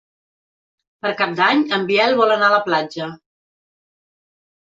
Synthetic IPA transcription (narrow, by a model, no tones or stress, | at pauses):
pəɾkap̚d̪aɲəmbiɛlˠβɔlənaələplad͡ʒə